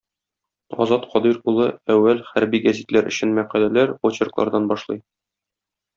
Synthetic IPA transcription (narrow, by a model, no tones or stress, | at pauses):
ɒ̰zɑt̪qʰɒd̪iɾulˠɤæwːælχæɾbiɡæzit̪læɾɵ̆ɕɘnmæqælælæɾwot͡ɕɪ̆rklˠɑ̰ɾd̪ɑnbɒʃlˠɤj